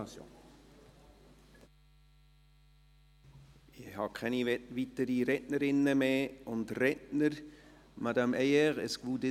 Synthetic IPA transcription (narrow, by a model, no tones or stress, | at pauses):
ɑsjo̰n | ɪhɑkʰɛniʋitəɾiɾɛtnəɾɪnːəmeːʊndrɛtnəɾmadɑmɛjɛʁə̰skvud̪e